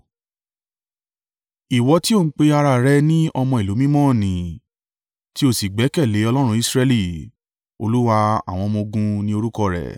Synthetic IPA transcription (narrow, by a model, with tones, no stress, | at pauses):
i˨wɔ˨˧ti˦õ˦˨˦k͡pe˧a˧ɾa˧˨ɾɛ˧nĩ˦ɔ˧mɔ̃˧i˨lo˨˦mĩ˦mɔ̃ː˦˨nĩ˨ | ti˦o˦˨si˨ɡ͡bɛ˨˦kɛ˦˨le˨˦ɔ˧lɔ˦ɾ̃ũ˧˦i˧sɾɛ˧li˦˨ | o̰˧lu˦wa˧a̰˨w̃ɔ̃˧mõ˧ɡũ˧nĩ˦o˧ɾu˦kɔ˧˨ɾɛ̰˨